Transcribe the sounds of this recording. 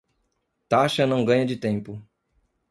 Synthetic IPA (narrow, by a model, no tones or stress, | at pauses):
t̪aʃɐnɐ̃w̃ɡɐ̃ɲɐd͡ʒɪt̪ẽmpʊ